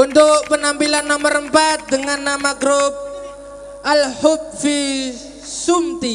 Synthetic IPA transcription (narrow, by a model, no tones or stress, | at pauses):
unt̪ʊʔpənampilanːɔməɾəmpat̪̚d̪əŋanːamaɡɾop̚ | ʔalhob̚fi | sumt̪i